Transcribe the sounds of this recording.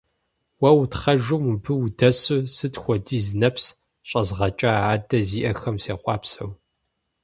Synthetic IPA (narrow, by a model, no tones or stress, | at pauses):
wɐwtχɐʒʊmubɨdɐsɨsɨtxʷɔdiːzɨnɐps | ɕʼɐzʁɐt͡ʃʼaaːdɐziːʔɐxɐmseːqʷɑːpsɐw